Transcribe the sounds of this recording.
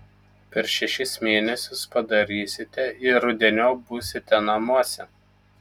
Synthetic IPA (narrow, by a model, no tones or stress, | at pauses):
pʲɛɾʃʲɛʃʲɪsmʲeːnʲɛsʲʊspɐd̪ɐɾʲiːsʲɪt̪ʲɛɪɾʊd̪ʲɛnʲoːbʊːsʲɪt̪ʲɛnɐmuɔsʲɛ